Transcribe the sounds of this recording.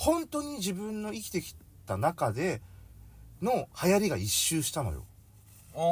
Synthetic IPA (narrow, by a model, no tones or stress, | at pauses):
hõ̞nt̪o̞ːɲ̟id͡ʑibɯ̟̃nːo̞ikʲi̥t̪e̞kʲi̥ | t̪anakad̪e̞ | no̞hajaɾʲiɡaiɕːɨːɕi̥t̪ano̞̰jo̞̰